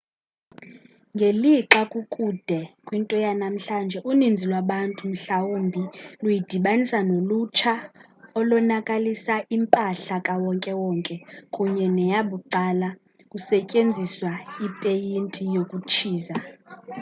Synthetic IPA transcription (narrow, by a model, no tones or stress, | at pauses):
ŋɡʱeliǁakʼukʼud̥ʱɛkʼwintʼɔjanam̩ɬand͡ʒʱɛʔunind͡zʱilwaɓantʼum̩ɬawombʱilujid̥ʱiɓanisanolut͡ʃʰa | ɔlɔnakʼalisaʔimpʼaɬakʼawɔŋkʼɛwɔːŋkʼɛkʼuɲɛnɛjaɓuǃala | kʼusɛcʼend͡zʱiswaipʼejintʼijokʼut͡ʃʰiːza